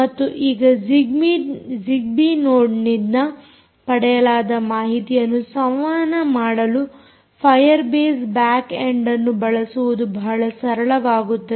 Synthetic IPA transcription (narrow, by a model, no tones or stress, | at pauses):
mɐt̪ːuʔiːɡɐd͡ʒiɡmid͡ʒiɡ̚binoːɖnid̪nɐ | pɐɽɛjɐlaːd̪ɐmaːɦit̪ijɐnːusɐmʋaːnɐmaːɽɐlu | pʰɐjɐɾbeːsbaːkeɳɖɐnːubɐɭɐsuʋud̪ubɐɦɐɭɐsɐɾɐɭɐʋaːɡut̪ːɐ